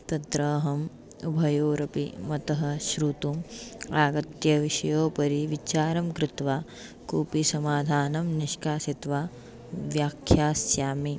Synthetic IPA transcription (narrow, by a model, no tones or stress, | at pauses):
t̪ɐd̪ɾɐːɦɐm | ubʱɐjoːɾɐpḭmɐt̪ɐɦɐ̆ʃɾut̪umaːɡɐt̪jɐʋiʃɐjoːpɐɾiʋit͡ʃaːɾɐmkɾɪt̪ʋaː | kuːpisɐmaːd̪ʱaːnɐmniʃkaːsit̪ʋa | ʋjaːkʰjaːsjaːmi